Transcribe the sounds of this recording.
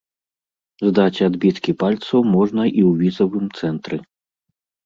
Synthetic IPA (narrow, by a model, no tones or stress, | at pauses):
zd̪at͡sʲad̪bʲit̪kʲipalʲt̪sɐwmɔʐnɐʔiwvʲizɐvɨmt̪sɛnt̪ɾɨ